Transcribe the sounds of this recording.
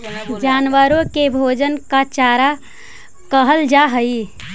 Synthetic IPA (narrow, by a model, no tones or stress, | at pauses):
d͡ʒaːnʋəɾõkebʱoːd͡ʒənkat͡ʃaːɾa | kəɦəld͡ʒaɦəi